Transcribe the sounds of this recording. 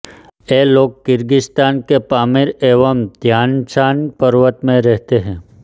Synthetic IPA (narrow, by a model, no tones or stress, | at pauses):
eːloːɡ̚kɪɾɡɪst̪aːnkepaːmɪɾeːʋəmd̪ʱjaːnt͡ʃaːnpəɾʋət̪mẽɾɛɦt̪eɦɛ̃ː